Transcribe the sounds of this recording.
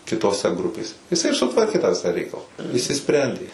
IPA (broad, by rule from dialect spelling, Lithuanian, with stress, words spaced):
kʲɪtoːˈsʲɛ ˈɡrʊpʲeːsʲɛ jɪˈsɐɪ ɪr sʊˈtʋɐrʲkʲeː tɑː ˈʋʲɪsɑː ˈrʲɛɪkɐlˠɐ ɪʃʲsʲɪˈsʲpʲrʲɛnʲdʲeː